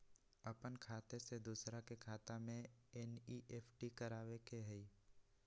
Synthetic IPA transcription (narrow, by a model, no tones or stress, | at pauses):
əpənkʰaːt̪esed̪uːsɾãkekʰaːt̪amẽɛniʔeːpʰʈikəɾaːʋekeɦɛi